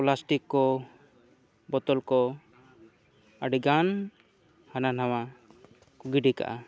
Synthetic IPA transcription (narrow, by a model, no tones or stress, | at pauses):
plasʈikːɔ | bɔt̪ɔlkɔ | aɖiɡan | hananawa | kuɡiɖika̰ʔa